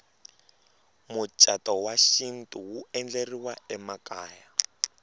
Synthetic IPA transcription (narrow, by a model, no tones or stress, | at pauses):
mʊt͡ʃʼatɔwaʃin̩tʼuwuɛnd͡ɮeriwaɛmakaːja